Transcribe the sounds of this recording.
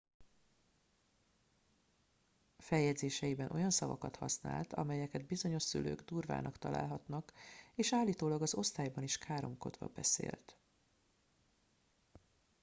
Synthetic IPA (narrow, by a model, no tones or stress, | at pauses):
fɛjːɛd̪zeːʃɛjibɛnʔo̞̰jɒnsɒvɒkɒt̪hɒ̰sna̰ːlt̪ɒ̰mɛjɛkɛd̪̚bizo̞ɲo̞ʃsy̰lø̰ːɡd̪uːrva̰ːnʔɒkt̪ɒla̰ːlɦɒt̪nɒkeːʃaːlːiːt̪oːlɒɡɒzo̞st̪aːjbɒniʃkʰaːɾo̞mko̞d̪vɒ̰bɛsḛːlt̪